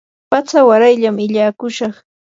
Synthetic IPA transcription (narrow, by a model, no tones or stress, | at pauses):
pat͡sawaɾajʎamɪʎaːkʊʃɑχ